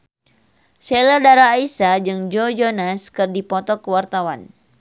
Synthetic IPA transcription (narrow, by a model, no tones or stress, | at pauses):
sɛlərdaɾaːisad͡ʒɨŋd͡ʒɔd͡ʒɔnaskɨrdipɔt̪ɔkəwart̪awan